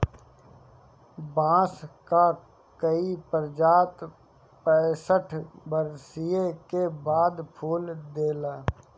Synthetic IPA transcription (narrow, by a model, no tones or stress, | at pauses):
bãːska | kəipəɾd͡ʒaːt̪ | pɛ̃ːsəʈʰbəɾsijekebaːd̪pʰuːld̪eːlaː